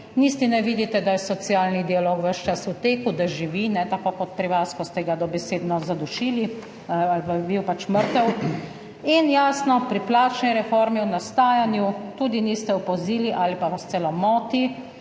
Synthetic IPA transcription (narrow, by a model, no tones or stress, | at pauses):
nist̪inɛʋid̪it̪ɛd̪ajɛsɔt̪siaːlnid̪ialoːkʋəʃt͡ʃasut̪eːkud̪aʒiʋinɛt̪akoːkɔt̪̚pɾiʋaskɔst̪ɛɡad̪ɔbɛseːd̪nɔzad̪uʃiːli | lpabiwpat͡ʃməɾt̪əw | injaːsnɔpɾiplaːt͡ʃnɛjɾɛfoːɾmiwnast̪aːjanjut̪uːd̪inist̪ɛwpɔziːliʔaːlipaʋast̪sɛlɔmɔːt̪i